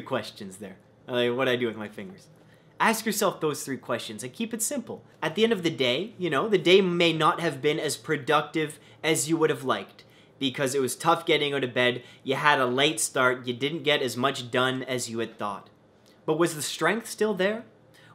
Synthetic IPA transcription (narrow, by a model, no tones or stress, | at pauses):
kʰw̥ɛst͡ʃɨ̃nzðə̰˞ | laɪwʌɾɨaɪdɨwɨðmaɪfɪ̃ŋɡə˞z̥ | æskjə˞sɛlˠfðoʊz̥θɹikʰw̥ɛst͡ʃɨ̃nzɨ̃kʰipɨtsɪ̃mpl̩ˠ | ɨt̪̚ðiɛ̃ndʌvðɨdeɪjɨnoʊðɨdeɪmeɪnət̚hɨvbɪ̃nɨz̥pʰɹ̥ɨdʌk̚tɪv | ɨzjɨwʊɾɨvlaɪk̚t̚ | b̥ɨkʰʌzɨt̚wʌz̥tʰʌfɡ̥ɛɾɪ̃ŋõɾɨbɛd̚jɨəɾəleɪtstɑɹt̚jɨdɪdⁿn̩ɡ̥ɛɾɨzmʌt͡ʃd̥ʌ̃nɨzjɨɨd̪̥̚θɔ̰t̚ | b̥ʌt̚wʌzðɨstɹ̥ɛ̃ŋk̚θstɪlˠðə˞